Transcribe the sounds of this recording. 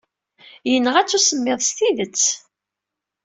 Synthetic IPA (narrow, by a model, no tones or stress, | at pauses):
jənːəʁæt͡sːusəmːeðˤst̪iðət͡sː